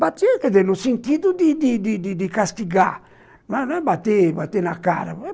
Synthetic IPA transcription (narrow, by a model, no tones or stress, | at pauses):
bat̪iɛkeðɛnusint̪iðud̪id̪id̪id̪id̪ikast̪iɡa̰ | nɛnɛbat̪ebat̪enaka̰ɾa̰ɛ